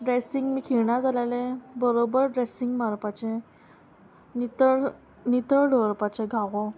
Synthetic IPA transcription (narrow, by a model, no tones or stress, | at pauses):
ɖɾesiŋɡmiːkʰiɭɳad͡zalalebəɾobəɾɖɾesiŋɡmaɾpat͡ɕẽ | nit̪əɭɖʱɔɾpat͡ɕẽɡʱaʋõ